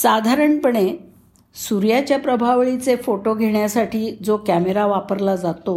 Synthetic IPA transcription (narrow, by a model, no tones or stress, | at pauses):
sad̪ʱaɾəɳpəɳe | suɾjat͡ɕjapɾəbʱaʋɭit͡sefoʈoɡʱeɳjasaʈʰiːd͡zokæmeɾaʋapəɾlad͡zat̪o